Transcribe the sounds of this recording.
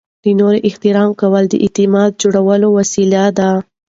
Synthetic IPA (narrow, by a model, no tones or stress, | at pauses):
inoɾeʔɪht̪ɪɾɑmkawəld̪ə̰ʔɪt̪ɪmɑd̪̚d͡ʒoɽawəlowasilad̪a